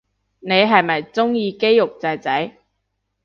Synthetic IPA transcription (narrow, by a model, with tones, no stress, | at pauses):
ne˨˧jɦɐ˨jmɐ˨jt͡sʊ˥ŋjiː˨˧ke˥jːʊ˨k̚t͡sɐ˨˧jt͡sɐ˨˥j